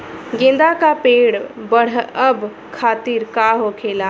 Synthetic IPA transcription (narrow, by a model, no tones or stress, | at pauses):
ɡẽnd̪akapeɽbəɽ̤əb | kʰat̪iɾkaɦokʰela